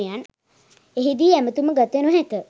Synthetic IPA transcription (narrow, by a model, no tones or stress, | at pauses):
jan | eɦid̪iæmət̪uməɡat̪enuɦɛkə